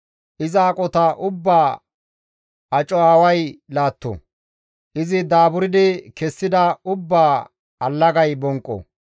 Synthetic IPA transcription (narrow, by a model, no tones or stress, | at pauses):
ʔɪzaːkʼɔt̪ɐʔʊbːaː | ɐt͡ʃʼɔaːwɐjlaːt̪ːɔ̰ | ʔɪzɪd̪aːbʊɾɪd̪ɪkɛsːɪd̪ɐʊbːaː | ɐlːɐɡɐjbɔŋkʼːɔ̰